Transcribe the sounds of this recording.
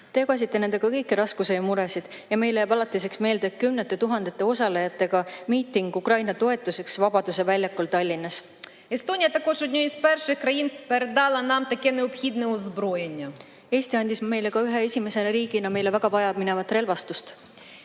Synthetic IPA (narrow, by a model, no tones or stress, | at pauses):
t̪eɡɑs̬ʲit̪ːe̞nend̪e̞ɡ̥ɑkɤjkːiɾɑskusejɑmuɾe̞sid̪̥jɑme̞jlejæbɑlɑt̪ːˑis̬e̞ksme̞ːld̪et̪̚kymnet̪ːˑe̞t̪uɦɑnd̪̥et̪ːˑe̞o̞sɑlejɑt̪ːˑe̞ɡ̥ɑmiːt̪ːiŋɡ̥ukrɑjnɑt̪o̞e̞t̪ːˑuse̞ksvɑbɑd̪̥use̞vælʲjɑkːolt̪ɑlʲːinːɑs | est̪o̞nʲijɐt̪ɐko̞ʒod̪ʲnʲoispɛrʃɪxkrɐjinpeɾed̪ɑlˠɐnɑmt̪ɐkɛneɔb̥xʲid̪nɛɔzbɾo̞je̞nʲːɐ | e̞ːst̪iɑnʲd̪isme̞jle̞kɑyɦe̞esʲime̞se̞neɾiːɡ̥inɑme̞jle̞væɡ̥ɑvɑjɑmine̞vɑt̪ːˑre̞lvɑst̪ust̪